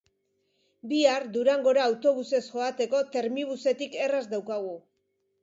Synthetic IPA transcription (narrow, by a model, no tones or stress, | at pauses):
biaɾd̪uɾaŋɡo̞ɾaːwt̪o̞βuse̞sʝo̞at̪e̞ko̞t̪e̞ɾmiβ̞use̞t̪ike̞razd̪awkaɣ̞u